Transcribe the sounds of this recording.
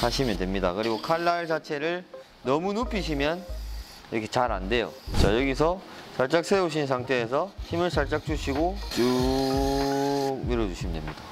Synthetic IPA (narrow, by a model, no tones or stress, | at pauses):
saɕʰimjʌndwe̞mɲida̰kɯɾiɡokʰaɭːaɭt͡ɕat͡ɕʰe̞ɾɯɭ | nʌmunopʰiɕ̬ʰimjʌn | iɾʌkʰe̞t͡ɕaɾa̰nde̞jo̰t͡ɕajʌɡisʰʌsʰaɭt͡ɕ͈ak̚s͈ʰeuɕ̬ʰins̬ʰaŋtʰe̞ːs̬ʰʌçimɯɭsʰaɭt͡ɕ͈ak̚t͡ɕ͈uɕʰiɡot͡ɕu | iɾʌd͡ʑuɕʰimjʌndwemɲid̥a